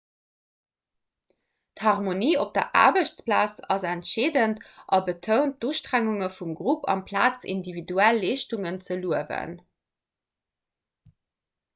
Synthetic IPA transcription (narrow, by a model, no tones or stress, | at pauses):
thɑʁmoniːop̚d̥ɐ̰ʔa̰ːbəɕt͡splaːt͡sɑzæntʃeːdəntʔɑbətʰəʊnt̚d̥uʃtʁæŋuŋəfumɡʁupʰɑ̰mpʰlaːt͡sḭndividuælːeːʃtuŋənt͡səluəvə̰n